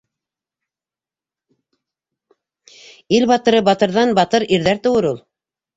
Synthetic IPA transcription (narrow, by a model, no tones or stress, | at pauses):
ilβɑt̪ɤ̆ɾɤbɑt̪ɤ̆ɾðɑnbɑt̪ɤɾiɾðæɾt̪ŏwɤɾulˠ